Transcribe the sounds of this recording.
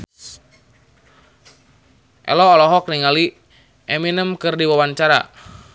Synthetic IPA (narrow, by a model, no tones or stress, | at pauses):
ʔɛ̰lɔːlɔɦɔk̚niŋali | ʔɛminəmkɨrdiwawaɲt͡ʃaɾa̰